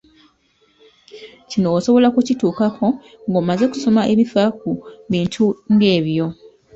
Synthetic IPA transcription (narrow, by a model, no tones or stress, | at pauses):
cino̞ːso̞βo̞lakucituːkakʰo̞ | ŋɡoːmaze̞ku̥so̞maʔe̞βifakuβiːntʰuŋɡe̞ːβjo̞